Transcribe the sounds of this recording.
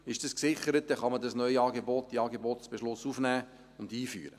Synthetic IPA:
ɪʃd̥ɑsksɪχəɾət̚dɛχɑmədɑsnœʏɑːɡeboːt̚d̥iɑːɡeboːtsb̥eʃlʊsufnæː | ʊndiːfy̰ːɾə

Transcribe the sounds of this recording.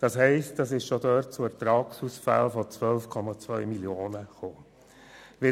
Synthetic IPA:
d̥ɑshɛɪst̚d̥ɑsɪʃʃodœɾt̚t͡suætɾɑːksusfæ̰lfɔt͡svœlfkʰɔmɑt͡svœʏmiljoːnəχoː | ʋɪ

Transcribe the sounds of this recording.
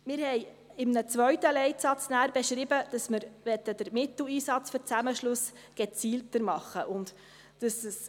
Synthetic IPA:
mɪːɾhɛɪ | ɪmnət͡sʋœɥt̪əlɛɪtsɑt͡snæːɾbɛʃɾɪbəd̥ɑsmɪɾʋɛt̪ːəd̥̪əɾmɪt̪l̩iːsɑt͡sfʏɾt͡sæməʃlʊs | ɡ̥ɛt͡siːltəɾmɑχːəʔʊnd̪ | d̥əsəs

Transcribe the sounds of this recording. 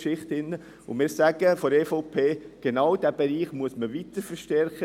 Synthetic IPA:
ʃɪχt̪ɪnːə | ʊmɪːɾsæɡ̥əfɔɾɛːfɔʊpʰeːɡ̥enɑwd̥̪æb̥eɾiːχmuəsməʋit̪əɾfəɾʃtɛɾχə

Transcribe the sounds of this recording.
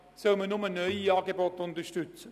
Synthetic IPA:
sœlmənʊmənœʏiɑːɡebɔtʊntəʃtʏt͡sə

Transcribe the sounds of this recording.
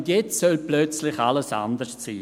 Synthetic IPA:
ndjɛt͡ssœlplœt͡slɪçaləsa̰nd̪əst͡siː

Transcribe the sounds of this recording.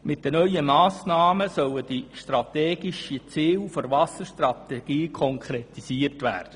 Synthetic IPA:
mɪtdənœʏəmɑːsnɑːməsœləd̥iʃtrɑteːɡiʃit͡siːlfoɾʋɑsərʃtrɑt̪ɛɡ̥iːkʰɔŋkχɾet̪isiərtʋæːrd̥ə

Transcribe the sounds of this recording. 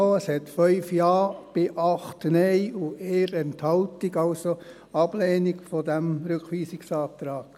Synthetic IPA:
oəshɛt̪fœʏfjɑːb̥ɪʔɑχtnɛɪueːɾɛnthɑltɪɡɑʊso | ɑb̥leːniɡfɔdæmɾʏkχʋiːsɪksɑːt̪ɾɑːk

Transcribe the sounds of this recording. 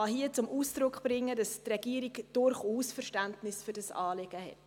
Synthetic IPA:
ɑɦiət͡sʊmʔuːsd̥ɾʊkχb̥ɾɪŋːədɑstrɛɡ̥iəɾiɡd̥ʊɾχuːsfərʃtæntnɪsføɾdɑsɑːleɡ̥əhɛ̰t

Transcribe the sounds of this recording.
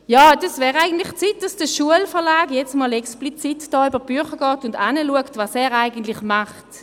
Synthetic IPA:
jaːdɛsvɛːʁaɪɡən̩tlɪxt͡sit̚d̥ɑsd̥əʃuəlfɛɐlaːɡjɛt͡smɔlɛksplit͡sitd̥ɔːybəb̥yχəɡɑːtʊndaːnəluəktvɑsɛːʁaɪɡən̩tlɪχmaχt

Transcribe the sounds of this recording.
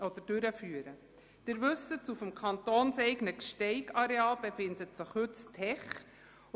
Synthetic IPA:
ɔd̥̪əɾd̥ʉɾəfyːəɾə | d̥ɪɾʋɵsətt͡sufmkʰɑnt̪oːnsɛɪɡnəkʃtɛɪɡɑɾeɑːlb̥efɪndətsəχhʉttʰɛχ

